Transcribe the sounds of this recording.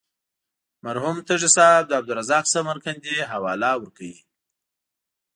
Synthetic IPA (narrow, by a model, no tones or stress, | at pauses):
maɾɦumt̪əʐɪsɑb̚d̪əab̚d̪ʊɾazɑksamaɾkand̪eɦawɑlawəɾkawi